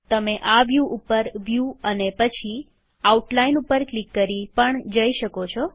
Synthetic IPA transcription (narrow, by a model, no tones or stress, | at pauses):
t̪əmeʔaʋjuʔupəɾʋjuənepət͡ʃʰi | auʈlainupəɾklikːəɾipəɳd͡ʒəiʃəkot͡ʃʰɔ